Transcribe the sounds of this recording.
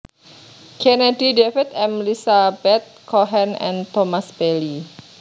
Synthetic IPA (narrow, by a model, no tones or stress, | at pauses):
kʰɛnɛdidefit̪ɛmlisabɛt̪̚kʰɔɦɛnɛ̰̃nt̪ɔmasbɛli